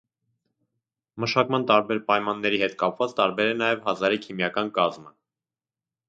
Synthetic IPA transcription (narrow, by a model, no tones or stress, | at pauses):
məʃɑkmɑnt̪ɑɾbɛɾpɑjmɑnːɛɾiɦɛt̪kɑpvɑt͡st̪ɑɾbɛɾɛnɑjɛvhɑzɑɾikʰimjɑkɑnkɑzmə